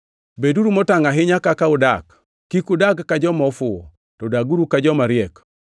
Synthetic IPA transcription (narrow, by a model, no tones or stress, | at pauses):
beduɾumɔtaŋaɦɪɲakakaʊdak | kːikudaɡːad͡ʒɔmɔfʊɔ̰ | tɔdaɡuɾukad͡ʒɔmaɾɪɛk